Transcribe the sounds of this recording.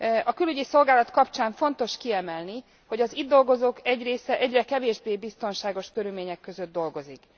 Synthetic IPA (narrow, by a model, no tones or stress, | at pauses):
ɒkylyɟiso̞lɡaːlɒt̪kɒpt͡ʃaːɱfo̞nt̪o̞ʃkiɛmɛlni | ho̞ɟɒzid̪ːo̞lɡo̞zoːkɛɟreːsɛʔɛɟrɛkɛveːʒbeːbist̪o̞nʃaːɡo̞ʃkøɾylmeːɲɛkːø̞zød̪̚d̪o̞lɡo̞zik